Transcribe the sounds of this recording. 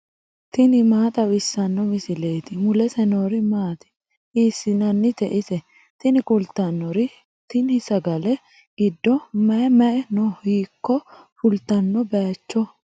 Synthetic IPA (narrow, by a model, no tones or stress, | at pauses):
t̪ɪnɪmaːt̪ʼɐwɪsːɐnːɔmɪsɪle̞ːt̪ɪmʊlɛsɛnoːɾɪmaːt̪ɪ̥ | ʔiːsːɪnɐnːɪt̪ɛʔɪsɛ | t̪ɪnɪkʊlt̪ːɐnːɔɾɪ | t̪ɪnɪsɐɡɐlɛ | ɪd̪ːɔmɐmɐʔɛnɔhiːkːɔ | fʊlt̪ɐnːɔbɐt͡ʃːɔ